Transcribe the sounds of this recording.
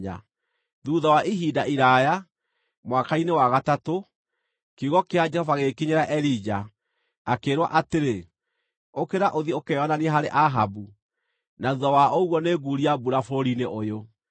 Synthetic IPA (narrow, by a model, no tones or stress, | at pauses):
a̰ | ðuːðawaʔiɦidaʔiɾaja | mwakainewaɣatato | keuɣɔkead͡ʒɛhɔvaɣekiɲeɾaʔɛɾid͡ʒaː | keɾwa̰ʔateɾe | okeɾaʔoðiokejɔnaneɛɦaɾeʔaɦabu | naðuðɔwaoɣwɔneːɡuɾiabuɾafoɾineʔojo